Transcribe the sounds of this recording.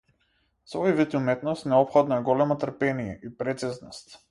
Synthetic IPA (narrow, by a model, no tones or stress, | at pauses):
sɔjvit̪umɛt̪nɔst̪nɛɔpxɔd̪naɛɡɔlɛmɔt̪əɾpɛnijɛʔipɾɛt̪siznɔst̪